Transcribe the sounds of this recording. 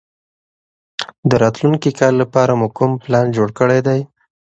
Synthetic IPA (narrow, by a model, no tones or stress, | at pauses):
d̪əɾɑt̪luŋkikɑlːapɑɾamukʊmplɑnd͡ʒoɽkəɽajd̪aj